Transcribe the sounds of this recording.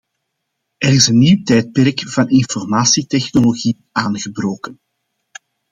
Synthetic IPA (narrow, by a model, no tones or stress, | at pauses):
ɛɾɪsənːiwtɛjt̚pɛrkv̥ɑnɪnfɔrmaːsitɛxnoloɣi | ʔaːnɣəbɾoːkən